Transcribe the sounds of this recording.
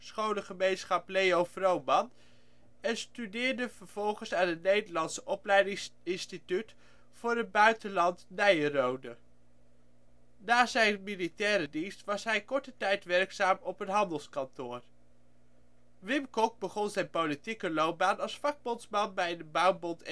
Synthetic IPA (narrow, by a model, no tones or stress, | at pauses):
sχownəχəmejnsχɑpleowfrowmɑn | ɛnstydɪːɹdəv̥əɹv̥ɔlˠχənsaːnətnejdəɹlɑnsəʔɔplɛjdɪɪnstityt | fʊːɾəd̚bœɥtəlɑntnɛjərowdə | naːzɛjnmilitɛːɾədinstʋɑsɦɛjkɔɹtətɛjtʋɛrksaːmɔpənɦɑndəlˠskɑntʊːr | ʋɪmkɔk̚bəχɔnzɛjnpowlitikəlowp̚baːnɑlˠsfɑɡ̚bɔnsmɑnbɛjdəbɑwmbɔnt